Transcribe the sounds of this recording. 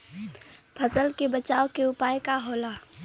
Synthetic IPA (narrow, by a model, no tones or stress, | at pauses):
pʰəsəlkebɐt͡ʃaːokeʊpaːjekaɦoːlaː